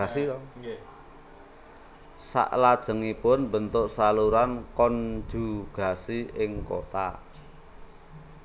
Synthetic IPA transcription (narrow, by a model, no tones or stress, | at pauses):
asitɔ | sa̰ʔlad̥ʒ̥ə̤ŋipʊnbənt̪ʊʔsaluɾankɔnd͡ʒ̥ṳɡ̥a̤siɪŋko̰t̪a̰